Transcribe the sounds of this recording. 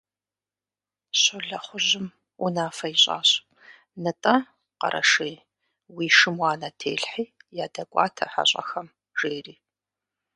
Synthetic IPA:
ɕʊɮɐχʷʊʑɪm | unaːfɐjiɕʼa̰ːɕ | nɨtʼɐ | qɐ̰ɾʔɐ̰ʂiː | wiːʃɨmwɑːnɐtʰḛːɬħiːjaːdɐkʷʼɑ̰ːtʰɐ̰ħa̰ɕʼɐ̰xɐm | ʒ̥eːriː

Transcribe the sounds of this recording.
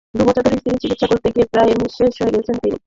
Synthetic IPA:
d̪ubɔt͡ɕʰot̪oɾist̪init͡ɕikit̪ːʃakoɾt̪eɡiepɾaemiʃeʃoeɡet͡ɕʰent̪inḭ

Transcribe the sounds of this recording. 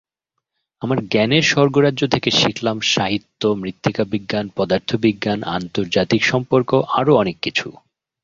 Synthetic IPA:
amaɾɡɛneʃɔɾɡoɾadʑot̪ʰekeʃiklamʃaɦit̪ːomɾit̪ːikabiɡːanpɔd̪aɾt̪ʰobiɡːana̰nt̪oɾd͡ʑat̪ikʃɔmpoɾkoʔaɾoɔnekːit͡ɕʰu

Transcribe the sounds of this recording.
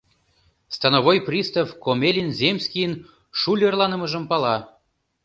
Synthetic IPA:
st̪ɑnovojprʲist̪ɑfkomelʲinzʲemʲsʲkʲijən | ʃulʲərlˠɑnə̆mɤ̆ʒə̆mpɑlɑ

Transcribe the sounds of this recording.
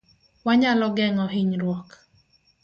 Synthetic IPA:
waɲalɔɡɛŋɔɦiɲɾwɔk

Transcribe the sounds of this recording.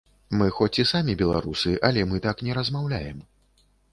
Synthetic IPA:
mɨxɔt͡sʲisamʲibʲɛlˠa̰ɾusɨʔɐlʲɛmɨt̪aknʲɛɾɐzmawlʲa̰jɛm

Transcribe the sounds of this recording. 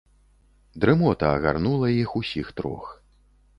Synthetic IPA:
d̪ɾɛmɔt̪ɐːɣa̰rnulˠɐjixusʲixt̪ɾɔ̰x

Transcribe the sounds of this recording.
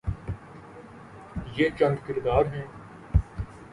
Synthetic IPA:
jeːt͡ʃɐ̃nd̪kɪɾd̪aːɾɦɛ̃ː

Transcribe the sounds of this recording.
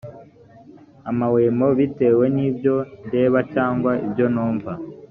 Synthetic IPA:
amawe̞ːmo̞βite̞ːwe̞niːbjo̞nde̞ːβacaːŋɡwaibjo̞noːɱva

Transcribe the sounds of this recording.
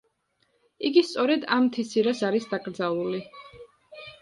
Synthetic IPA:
iɡist̪sʼɔɾɛd̪amt̪ʰisiɾasaɾisd̪aɡɾd̪zalˠuli

